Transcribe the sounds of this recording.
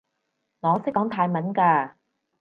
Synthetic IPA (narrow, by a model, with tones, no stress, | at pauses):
ŋɔː˨˧sɪ˥kːɔː˨˥ŋt̪ʰaː˧jmɐ˨˥nkaː˧